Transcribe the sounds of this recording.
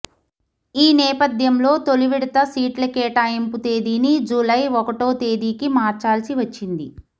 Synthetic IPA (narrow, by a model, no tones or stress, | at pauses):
iːnɛːpɐd̪ʱjɐmlo̞ːt̪oluʋiɽɐt̪ɐsiːʈlɐkeːʈaːjemput̪e̞ːd̪iːnid͡ʒulɐjɔkɐʈo̞ːt̪e̞ːd̪iːkimaːɾt͡ʃaːlɐsiʋɐt͡ʃːind̪i